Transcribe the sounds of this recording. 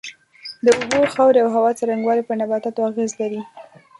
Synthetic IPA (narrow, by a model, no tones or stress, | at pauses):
d̪əʊboxɑwɾeawɦawɑt͡saɾaŋɡwɑlepəɾnabat̪at̪oaɣezlaɾi